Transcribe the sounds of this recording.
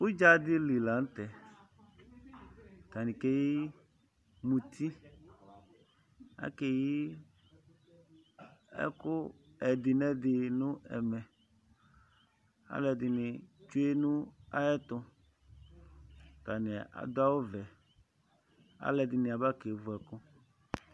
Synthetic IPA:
wʊ˦d͡ʒa˦d̪ɪ˦li˨la˨n̩˦t̪ɛ˨ | t̪a˨nɪ̃˨ke˦ji˦ | mũ˨t̪ʰi˦ | a̰˦kɛ˨ji˦ | ɛ̰˦kʊ˦ | ɛ˨d̪ɪ˨nɛ˦d̪ɪ˨nʊ̃˦ɛ̰˨mɛ˨ | a̰˦lɛ˨d̪ɪ˨nɪ˨t͡ʃu˦e˦nʊ̃˦a̰˦jɛ˦t̪ʊ˦ | t̪a˨nɪ̃˨a̰˨d̪ʊ˦a˦wʊ˦vɛ˨ | a̰˦lɛ˨dɪ˨nɪ̃˨a˨ba˦ke˨vʊ˨˦ɛ˨kʊ˦

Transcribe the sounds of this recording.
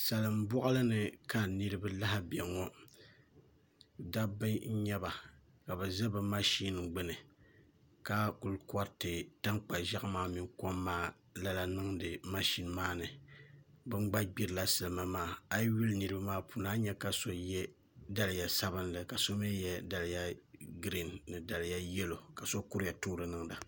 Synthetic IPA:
sa˨lɨ˨m˦bɔ˦ʔlɨ˦nɨ˨ka˦˨nɨ˦ɾɨ˦bɨ˦la˦ha˦bɛ˨ŋɔ˦ | da˦bɨ˦ɲɛ˦ba˨ | ka˨bɨ˨zɛ˦bɨ˨ma˦ʃi˦n˨ɡ͡bɨ˦nɨ˨ | ka˦ku˨lkɔ˦ɾtɨ˨ta˦ŋk͡pa˨ʒa˦ʔmaː˦mi˨ŋko˦mːaː˦ | la˦la˨nɨ˦ŋdɨ˨ma˦ʃi˦nmaː˦nɨ˨ | bɨ˦ŋ͡mɡ͡ba˦ɡ͡bi˦ɾɨ˨la˦sɨ˨lɨ˨ma˨maː˦˨a˦jwu˦lnɨ˨ɾɨ˦ba˦maː˦pʰu˨naː˦ɲɛ˦ka˨so˦jɛ˦ | da˦lja˨sa˦βɨ˦nlɨ˨ka˨so˦mi˦jɛ˦da˨lja˦ɡɾi˦nːɨ˨da˨lja˦jɛ˦lo˨ka˨so˦ku˦ɾja˨toː˦ɾɨ˨nɨ˦ŋda˨

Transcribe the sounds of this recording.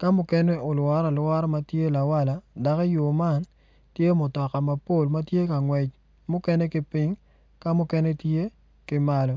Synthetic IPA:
ka˦mʊ˦kɛ˦nɛ˦o˨lwa˦ɾa˨lwa˦ɾma˦tje˦la˨wa˦la˨da˨kɔ˦jo˨ma˦n | tje˦mʊ˨tɔ˨ka˨ma˨po˦˨lma˦tje˦ka˨ŋwɛ˨t͡ʃ | mʊ˦kɛ˦nɛ˦kɪ˦pɪ˦ŋ | ka˦mʊ˦kɛ˦ne˦tje˦ | kɪ˦ma˦lɔ˦

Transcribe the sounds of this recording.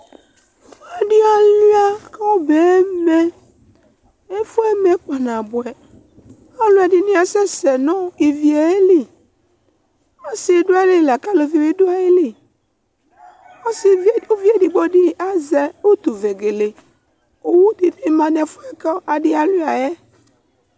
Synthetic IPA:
fa˨ɖi˦a˨lu˦a˨kɛ˦wo˦be˨˦mɛ˦ | e˦fo˦ɛ˦me˨k͡pa˨nã˨bo˨ɛ˨ | a˦lu˦a˨ɖi˦nĩ˦a˨sɛ˦sɛ˨nɔ̃˦i˨vi˨e˨˦e˦li˦ | a˦si˨˦ɖo˦a˦li˦˨la˨ka˦lo˨vi˨vi˦ɖo˦a˦˨e˦li˦˨ | o˦si˨˦˨o˦vi˦e˦di˨ɡ͡bo˦ɖi˦a˦zɛ˦o˦t̪u˨ve˨ɡe˨le˨ | o˦wu˦di˨i˦mã˨nɛ˨fo˦ɛ˦ke˦ʔa˨ɖi˦a˨lu˦a˨jɛ˦

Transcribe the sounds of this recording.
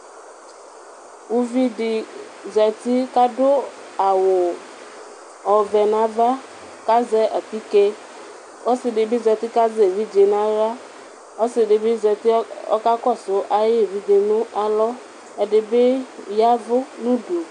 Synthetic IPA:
u˨vi˦dɪ˨ | zɛ˨t̪ɪ˦ka˦dʊ˦ | a˨wʊ˨ | ɔ˨vɛ˨nã˨˦va˦ | ka˦zɛ˦ʔa˨pi˦ke˦ | ʔɔ˦sɪ˨dɪ˨bɪ˦zɛ˨t̪ɪ˦ka˦ze˨vi˦d͡ʒe˨nã˨˦ɾa˦ | ɔ˦sɪ˨dɪ˨bɪ˦zɛ˨t̪ɪ˦ɔ̰˦ka˦kɔ˦˨sʊ˨ʔa˦je˦˨vi˦dɪ˨nʊ̃˦ʔa˨lɔ˦ | ɛ˨dɪ˨bɪ˦ja˦vʊ˦nʊ̃˦do˨

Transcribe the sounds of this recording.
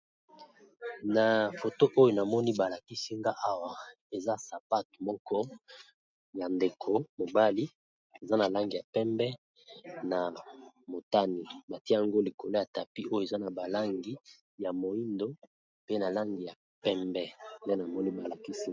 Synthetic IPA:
na˨fo˨to˦ʔo˦jo˨na˨mɔ˦ni˦ba˨la˨ki˦si˦ŋɡa˦ʔa˦wa˨ | e˨za˦sa˨pa˦tmɔ˦kɔ˦ | ja˨nde˨kʰo˨mo˨ba˦li˦ | e˨za˦na˨la˦ŋɡi˨ja˨pɛ˦mbɛ˦ | na˨ | mo˨ta˦ni˨ba˨ti˦a˦ŋɡo˦li˨ko˨lo˦ja˨ta˨pi˦o˦jo˨e˨za˦na˨ba˨la˦ŋɡi˦ | ja˨mo˨i˦ndo˦ | pe˦na˨la˦ŋɡi˨ja˨ | pɛ˦mbɛ˦ndɛ˦na˨mɔ˦ni˦ba˨la˨ki˦si˦

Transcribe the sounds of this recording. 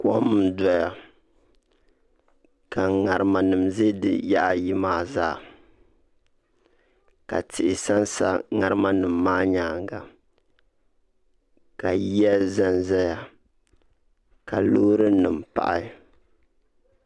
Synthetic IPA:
kɔ˦m̩˨dɔ˦ja˨ | ka˨ŋa˨ɾɨ˨ma˨nɨ˨m̩˨ze˦dɨ̰˦ja̰˦ʔa˨ji˦maː˦˨zaː˦˨ | ka̰˨tʰɪ˨ʔɪ˨sa˦nsa̰˦ŋa˨ɾɨ˦ma˦nɨ˨m̩ː˨aː˦ɲaː˨ŋɡa˨ | ka˨ji˦ɛ˦za˦nzɛ˦ja˨ | ka˨lo˦ɾɨ˦nɨ˨m˨pa̰˨ʔa˦

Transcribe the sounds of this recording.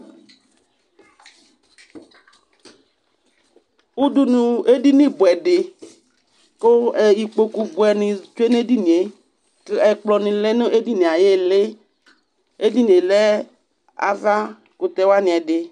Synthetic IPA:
u˦du˦nũ˨e˦di˦nĩ˦bʊ˨ɛ˨dɪ˨ | ko˦ɛ˨i˨k͡po˨ku˨bu˨ɛ˨nɪ̃˨t͡ʃu˦e˦ne˦di˦nĩ˨e˨˦ | kɪ˦ʔɛ˨k͡plɔ˨nĩ˨lɛ˦nʊ˦ʔe˦di˦ni˨a˨je˦le˦ | e˦di˦nĩ˨e˨lɛ˦ | a̰˨va˦ | ko˨t̪ɛ˨wa˦nĩ˨ɛ˨dɪ˨

